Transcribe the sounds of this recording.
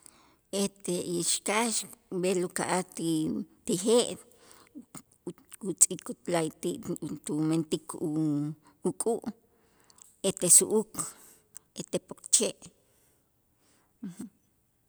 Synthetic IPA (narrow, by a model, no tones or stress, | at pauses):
et̪eiʃkaʃbelukaʔat̪it̪ixeʔ | ut͡sʼikut̪lajt̪iʔt̪ument̪ikʰu | ukʼuʔ | et̪esuʔuk | et̪epokt͡ʃeʔ | h